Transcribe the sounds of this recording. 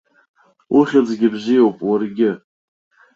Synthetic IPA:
ʔʊχʲad͡zɡʲɪbzɪjowpʼwarɡʲɪ

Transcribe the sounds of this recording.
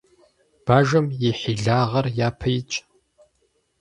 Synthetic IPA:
b̥aːʒɐmjɪħiɮaːʁɐrjaːpʰɐjɪt͡ʃʼ

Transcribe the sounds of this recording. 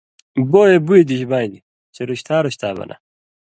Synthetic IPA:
boːjebued̪iɕbaːjni | t͡ɕeɾuɕt̪ʰaːɾuɕt̪ʰa̰ːbɐ̰nʔɐ̰

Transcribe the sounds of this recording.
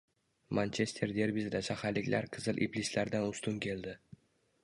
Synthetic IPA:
mant͡ʃʰe̞st̪ʰe̞ɾd̪e̞ɾvisd̪aʃahaɾlɪkʲlʔaɾqʰɨzɪlʔḭplislaɾd̪anʊst̪ʊnkʲʰe̞ld̪ɪ

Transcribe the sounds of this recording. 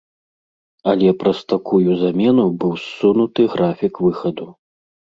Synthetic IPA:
ɐlʲɛpɾɐst̪akujuzamʲɛn̪ubɨwsːunut̪ɨɣɾafʲikvɨxɐd̪u

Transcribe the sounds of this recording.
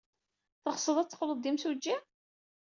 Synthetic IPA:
θəʁsˤəðˤæt͡sːə̥qləd̪ːimsud͡ʒːi

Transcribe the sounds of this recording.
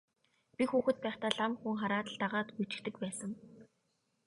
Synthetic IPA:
pʲixuːxɘ̆t̪̚pæːχt̪aːɮamxuŋχaɾaːt̪ə̆ɮt̪aʁaːt̪xut͡ɕɪ̥̆kt̪ɘ̆kpæːsə̆ŋ

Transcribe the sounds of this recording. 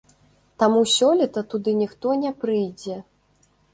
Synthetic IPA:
t̪amusʲɔlʲit̪ɐt̪ud̪ɨnʲixt̪ɔnʲɛpɾɨjd͡zʲɛ

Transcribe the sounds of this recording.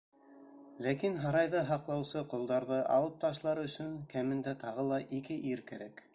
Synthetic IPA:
lækinɦɑɾɑjðɤɦɑqlˠɑwsɤqŏlˠd̪ɑɾðɤʔɑ̰lˠɤp̚t̪ɑʃlˠɑɾɵ̆sɵŋkæmɘ̆nd̪æt̪ɑʁɤlˠɑʔikɘʔiɾkæ̰ɾæk

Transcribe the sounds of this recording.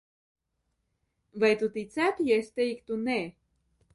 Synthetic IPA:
vajt̪ut̪it͡sæpjast̪ejkt̪une

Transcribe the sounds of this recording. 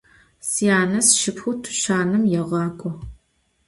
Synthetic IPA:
sijaːnɐsʃɪpxʷʊtʰʊ̥ʃaːnɨmjɛʁɑːkʷʼɔ

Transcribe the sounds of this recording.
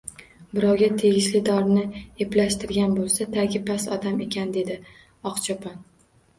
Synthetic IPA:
bɪɾɒwɡʲat̪ʰe̞ɡʲɪʃlɪd̪ɒɾnɪeplaʃt̪ɪɾɡʲanbolˠsat̪ʰaɡʲɪpʰasɒd̪ame̞kʲand̪e̞d̪ɪ | ɒqt͡ʃʰɒpʰɒn

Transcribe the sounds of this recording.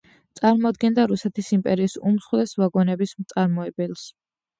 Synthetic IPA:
t̪sʼaɾmɔd̪ɡɛnd̪aɾusɛt̪ʰisimpʼɛɾiːsumsχwlɛsvaɡɔnɛbismt̪sʼaɾmɔɛbɛlˠs

